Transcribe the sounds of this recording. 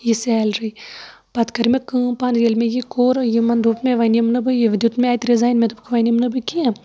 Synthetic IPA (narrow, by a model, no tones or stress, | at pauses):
jisɛːlɾɨj | pɐt̪kɐɾmekɨ̃ːpaːnjelmejikoːɾɐjimɐnd̪uːpmeʋɐnimnɨbɨjiʋd̪ʲut̪meaːjt̪ɾizaːjnmʲet̪ɨbkʰʋɐnʲimnɨbɨki